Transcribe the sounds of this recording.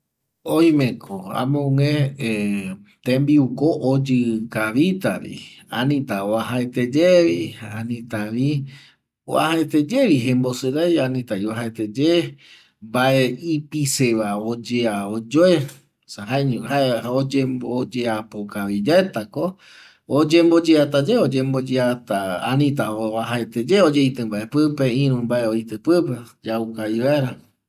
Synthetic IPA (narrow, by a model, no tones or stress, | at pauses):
oj̃mẽkʰoa̰mõŋẽet̪ẽmbiukoʔːd͡ʒɨkaʋit̪aʋḭanĩt̪aoaɦaet̪ed͡ʒeʋihaanĩt̪aʋi | o̰a̰haet̪ed͡ʒeʋiɦẽmbo̞sɨɾajanĩt̪aiaɦaet̪ed͡ʒe | mbaeipiseʋaod͡ʒeaod͡ʒoe | saɦaeɲũɦaeaod͡ʒeod͡ʒeapokaβid͡ʒaet̪ako | od͡ʒẽmbod͡ʒeat̪ad͡ʒeod͡ʒembod͡ʒeat̪aanĩt̪aaɦaet̪ed͡ʒeod͡ʒejt̪ɨ̃mbaʔe̞pɨpeĩɾũmbaeojt̪ɨpɨped͡ʒawkaiβaeɾa